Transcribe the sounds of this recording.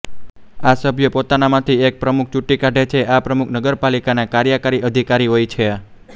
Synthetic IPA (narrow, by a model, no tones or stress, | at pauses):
asəbʱjəpot̪anamãt̪ʰiek̚pɾəmuk̚ʰt͡ʃuʈːikaɖet͡ʃʰeʔapɾəmukʰnəɡəɾpalikanakaɾjəkəɾiəd̪ʱikaɾiɦojt͡ʃʰe